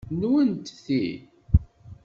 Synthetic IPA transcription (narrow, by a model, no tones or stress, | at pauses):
nwənt̪θi